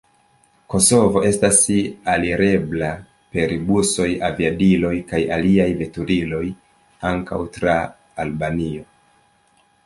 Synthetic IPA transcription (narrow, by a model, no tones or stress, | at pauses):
ko̞so̞vo̞ʔe̞stasialiɾe̞bla | pe̞ɾibuso̞javiadilo̞jkajaliajve̞tuɾilo̞j | aŋka̰wtɾaː | lbanio̞